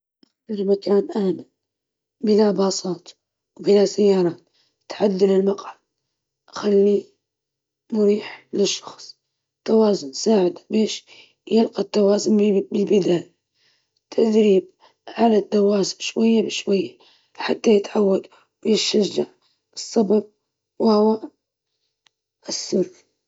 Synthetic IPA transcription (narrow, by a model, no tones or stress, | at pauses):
ʔaxalilmakaːnʔaːmɪl | bɪlabɑːsˤɑːt̪ | wbɪlasajːɑːɾˤɑːt̪ | t̪ʕad̪ːalɪlmaqʕad̪̚ | ʔaxalːi | mʊɾiːħlɪʃːɑ̥xsˤ | t̪ːawaːzʊnsaːʕɪd̪abeːʃ | jɪlqɑt̪ːawɑːzʊnbɪlbɪd̪aːja | t̪ʰːad̪ɾiːb̚ | ʕalad̪ːawaːzɪʃwajːabɪʃwajːa | ħat̪ːajɪt̪ʕawːad̪ | wjɪʃːaʒːaʕ | ɨsˤːɑbɑb̚ | whʊwa | ʔsːʊk